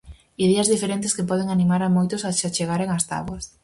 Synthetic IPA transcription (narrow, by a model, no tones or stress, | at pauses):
iðɛɐzðifeɾent̪ɪskepɔð̞eŋanimaɾamojt̪ʊsat͡ʃat͡ʃeɣaɾeŋast̪a̰βwɐs